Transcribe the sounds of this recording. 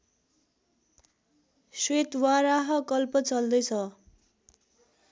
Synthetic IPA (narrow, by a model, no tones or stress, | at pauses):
swet̪waɾaɦʌkʌlpʌt͡sʌld̪ʌjt͡sʰʌ